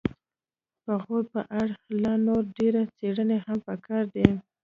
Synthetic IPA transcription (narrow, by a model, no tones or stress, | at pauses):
pəɣoɾpəʔaɽxlɑnoɾɖeɾat͡seɽənehampəkɑɾd̪e